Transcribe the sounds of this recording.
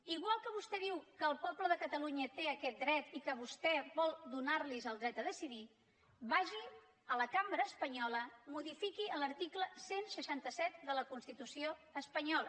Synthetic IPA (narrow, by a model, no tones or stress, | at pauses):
iɣwalˠkəβust̪ɛðiwkəːlˠpɔpləðəkət̪əluɲət̪eəkɛt̪̚d̪ɾɛt̪ikəβust̪ɛβɔlˠd̪unarlizəlˠd̪ɾɛt̪əðəsiði | βaʒi | ələkambɾəːspəɲɔləmuðifikiələɾt̪ikləsensəʃant̪əsɛt̪̚d̪ələkunst̪it̪usioəspəɲɔlə